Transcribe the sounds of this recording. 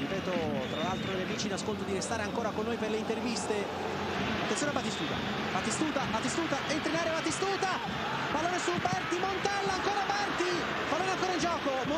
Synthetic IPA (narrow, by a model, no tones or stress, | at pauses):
ipɛːt̪o | t̪ɾalalt̪ɾoʎːamiːt͡ʃinaskolt̪od̪iɾest̪aːɾeaŋkoːɾakonːoːjperleint̪ervist̪e | at̪ːenoneabat̪ist̪uːt̪a̰ | bat̪ist̪uːt̪alat̪ist̪uːt̪aʔent̪ɾinaːɾevat̪ist̪uːt̪a | palːoːnesubɛrt̪imont̪ɛlːaːŋkoːɾabart̪i | palːoːneaŋkoːɾaind͡ʒɔːkomo